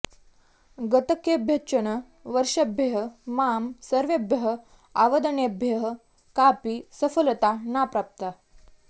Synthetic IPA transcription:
ɡət̪əkjebʱjetːɕənə | ʋəɾʂəbʱjəɦəmamsəɾʋebʱjəɦə | aʋəd̪əɳebʱjəɦə | kapisəfəlt̪anapɾap̚t̪a

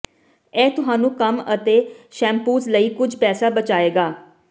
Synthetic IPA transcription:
ɛːt̪ʊɦãːnũːkəmət̪eːʃɛ̃ːmpuːzləiːkʊd͡ʒʱpɛːsaːbət͡ʃaːeːɡaː

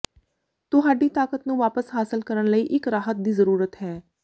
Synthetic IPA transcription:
t̪ʊɦaːɖiːt̪aːkət̪nũːʋaːpəsɦaːsəlkəɾəɳləiːʔɪkɾaːɦət̪̚d̪iːzəɾuːɾət̪ɦɛː

